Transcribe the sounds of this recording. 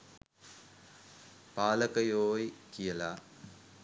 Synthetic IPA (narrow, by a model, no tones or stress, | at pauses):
paːlɐkɐjoːjkijɐlaː